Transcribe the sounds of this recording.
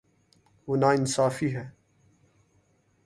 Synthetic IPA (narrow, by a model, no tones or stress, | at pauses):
ʋonaːɪnsaːfiɦɛː